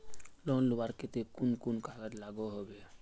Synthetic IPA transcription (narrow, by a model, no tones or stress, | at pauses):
lonluwaɾket̪ekunkunkaɡəd͡ʒlaɡoɦobe